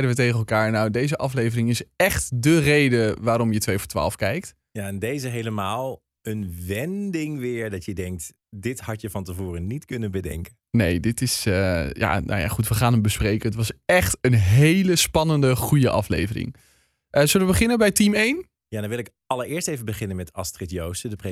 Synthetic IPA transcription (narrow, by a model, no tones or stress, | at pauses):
ɛjdənʋətejχənɛlˠkaːɹnawdejzəʔɑflejvərɪŋɪsɛχtdərejdəʋaːɾɔmjətʋejfɔɹtʋa̰ːlˠfkɛjkt | jaɛndejzəɦejləmaːlˠ | ənʋɛndɪŋʋɪːɹdɑtjədɛŋk̚t | dɪthɑtjəvɑntəvoːrənitkɵnənbədɛ̰ŋkə | nejdɪtɪsəja̰no̰ja̰χutʋəχaːnəmbəsprejkənətʋɑsɛχtənɦeləspɑnəndəχujəʔɑflḛjvərɪ̰ŋ | ʔəzøləʋəbəχɪnənbɛjtimejn | jadɔnʋɪlˠɪk | ɑləɹɪːɹstejvəbəχɪnənmɛtɑstrɪtjowsədəpre